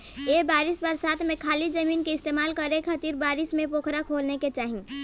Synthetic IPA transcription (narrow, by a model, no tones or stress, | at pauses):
ebaːɾɪsbəɾsaːt̪ʰmẽkʰaːlid͡ʒəmiːnkeɪst̪emaːlkəɾekʰət̪iɾbaːɾɪsmẽpokʰɾakʰolneket͡ʃaːɦi